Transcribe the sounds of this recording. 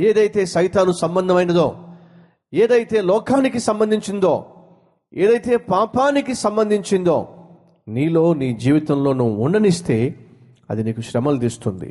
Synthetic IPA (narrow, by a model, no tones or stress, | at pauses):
eːd̪ɐjt̪e̞ːsɐjt̪aːnusɐmbɐnd̪ʱɐmɐjinɐd̪o̰ː | eːd̪ɐjt̪e̞ːlɔːkʰaːnikisɐmbɐnd̪ʱiɲt͡ʃind̪oː | ḛːd̪ɐjt̪e̞ːpaːpaːnikisɐmbɐnd̪ʱiɲt͡ʃind̪o̰ː | niːlo̞ːniːd͡ʒiːʋit̪ɐmlo̞ːnuʋuuɳɖɐnist̪e̞ː | ɐ̰d̪iniːkuʃɾɐmɐld̪iːst̪und̪ḭ